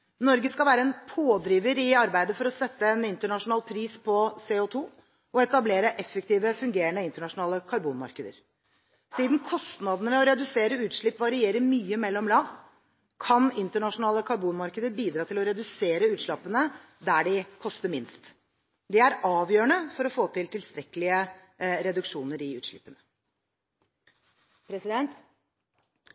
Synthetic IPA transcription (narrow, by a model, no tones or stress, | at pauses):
nɔɾɡəskɑʋæːɾəɛnpʰoːd̪ɾiːʋəɾɪɑɾbæɪd̪əfɔɾɔsɛt̪ːəɛnɪnt̪əɳɑʂʊnɑːlpʰɾiːspʰɔseːot̪ʰuː | ɔɛt̪ɑbleːɾəʔɛfːək̚t̪iːʋəfʉŋɡeːɾəɳəɪnt̪əɳɑʂʊnɑːləkʰɑɾbuːnmɑ̰ɾkəd̪ə̰ɾ | siːd̪n̩kʰɔst̪nɑd̪ənəʋɛɔɾɛd̪ʉseːɾəʉːt̪ʂɭɪpːʋɑɾɪeːɾəɾmyːəmɛlːɔmlɑːʋ | kʰɑnɪnt̪əɳɑʂʊnɑːləkʰɑɾbuːnmɑɾkəd̪əɾbiːd̪ɾɑːt̪ʰɪlɔɾɛd̪ʉseːɾəʉːt̪ʂɭɑpːənə | d̪æɖɪkʰɔst̪əɾmɪnst̪ | d̪ɛæɾɑːʋjøːəɳəfɔɾɔfoːt̪ʰɪlt̪ʰɪlst̪ɾɛkəlɪə | ɾɛd̪ʉkʂuːnəɾɪʉ̰ːt̪ʂɭɪ̰pːənə | pʰɾɛsɪd̪ɛnt̪